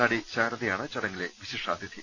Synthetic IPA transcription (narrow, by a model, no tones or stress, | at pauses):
aːɽiɕaːɾɐðijaːɳɨt͡ɕɐɽɐŋːileʋiɕiʂaːd̪ʱjɐt̪ʰi